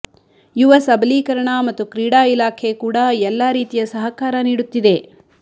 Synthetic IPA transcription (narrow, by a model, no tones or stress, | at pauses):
juʋɐsɐbliːkɐɾɐɳɐmɐt̪ːukɾiːɽaːilaːkʰekuːɽɐɛlːaːɾiːt̪ijɐsɐɦɐkaːɾɐniːɽut̪ːid̪e̞